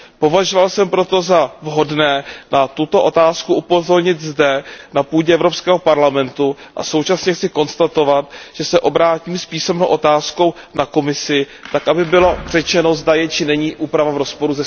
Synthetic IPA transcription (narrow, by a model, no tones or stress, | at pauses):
po̞vaʒovalsɛmpɾo̞t̪o̞zavɦo̞dnɛːnat̪ut̪o̞ʔo̞t̪aːskuʔupo̞zo̞ɾɲɪt̪zdɛnapuːɟɛʔɛvɾo̞pskɛːɦopaɾlamɛnt̪uʔa̰so̞wt͡ʃasɲɛxt͡sɪko̞nst̪at̪o̞vat̪ʒ̥ɛsɛʔo̞bɾaːciːmspiːsɛmnowʔo̞t̪aːsko̞w | nako̞mɪsɪ | t̪akʔabɪbɪlor̝̥ɛt͡ʃɛno̞zdajɛt͡ʃɪnɛɲiːʔuːpɾavavɾo̞spo̞ɾuzɛ